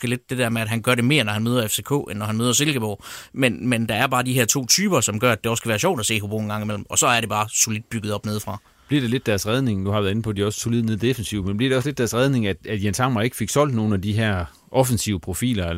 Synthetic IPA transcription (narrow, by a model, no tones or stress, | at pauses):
ɡ̥əle̝d̥ːe̝d̥ɛɐ̰meæd̥ɦænɡ̥ɶɐɾe̝me̝̰ːɐnɒhænmøːð̞ˠɐefse̝kʰo̰ːenːɒɦænmøːðˠɐse̝lɡ̥əb̥ɒ̰ːmenmend̥ɑ̈æɐb̥ɑ̈ːd̥iɦeɐ̰t͡sʰo̝̰ːt͡sʰyːb̥ɐsɒ̽mɡ̥ɶɐæd̥e̝ɒ̽skʰæʋæːɐɕɒ̰ʊ̰d̥æse̝̰ːɦub̥o̰ːnɡɑ̈ŋimel̰m̩ɒ̽sɒ̽æɐɾe̝b̥ɑ̈ːsolid̥̚b̥yɡ̥ð̩ˠɒ̽b̥ne̝ð̞ˠfʁɑ̈ | b̥liɐ̰ɾ̥ele̝d̥ːæɐsʁɛðˠne̝ŋnuhɑ̈ʋæɐðˠe̝n̩pʰɒ̽d̥iɒ̽sə̥sʰolið̰ˠneðˠd̥efnsiʊmenb̥liɐd̥eɒsled̥æɐsʁɛðˠne̝ŋæd̥æd̥jensʰɑ̈mɐe̝ɡ̥fe̝ɡ̥sɒ̽l̰d̥no̝ːn̩æd̥iɦæɐ̰ | ʔɒ̽fənsiʊəpʰʁo̝fḭːlɐ